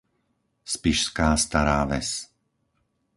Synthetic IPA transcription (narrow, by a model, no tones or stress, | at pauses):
spiʃskaːst̪aɾaːʋɛ̰s